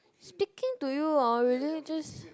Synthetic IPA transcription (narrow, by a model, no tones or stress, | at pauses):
spikɪ̃ŋtujuɔlɹɛlid͡ʒʌs